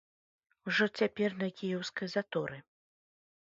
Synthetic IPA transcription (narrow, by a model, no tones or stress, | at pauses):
wʐɔt͡sʲapʲɛrnɐkʲijɛwskɐjzat̪ɔɾɨ